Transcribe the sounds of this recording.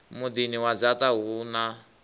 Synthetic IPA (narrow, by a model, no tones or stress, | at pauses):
mud̪iniwazat̪aɦuna